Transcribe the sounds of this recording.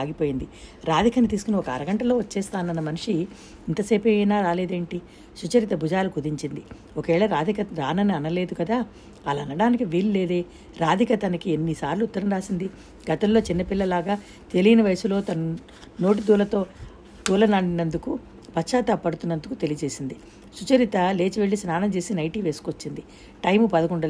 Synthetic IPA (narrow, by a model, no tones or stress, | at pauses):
aːɡipo̞ːjind̪iɾaːd̪ʱikɐnit̪iːsu̥kuneɔkɐɐ̰ɾɐɡɐɳʈɐlo̞ːʋɐt͡ʃːɛːst̪aːnɐnːɐmɐniʂiː | nt̪ɐseːpenaːɾaːle̞ːd̪eːɳʈi | sut͡ʃɐɾit̪ɐbʱud͡ʒaːlukud̪iɲt͡ʃind̪i | okɐʋɛːɭɐɾaːd̪ʱikɐɾaːnɐniɐnɐle̞ːd̪ukɐd̪aː | lɐɐnɐɽaːnikiʋiːlleːd̪eː | ɾaːd̪ʱikɐt̪ɐnɐkienːisaːɾluːt̪ːɐɾɐnɾaːsind̪i | ɡɐt̪ɐmlo̞ːt͡ʃinːɐpilːɐlaːɡaː | t̪e̞lijɐnɐʋɐjsulo̞ːt̪ɐn | no̞ːʈ̬id̪uːlɐt̪o̞ː | t̪uːlɐnɐɳɖinɐnd̪uku | pɐtːt͡ʃːaːt̪ɐpːɐɽut̪unːɐnd̪ukut̪e̞lijɐd͡ʒe̞ːsind̪i | sut͡ʃɐɾit̪ɐle̞ːt͡ʃiʋeɭːisnaːnɐmt͡ʃe̞ːsinɐjʈiːʋe̞ːsu̥kʋot͡ʃːind̪i | ʈɐjmpɐd̪ɐkuɳɖɐ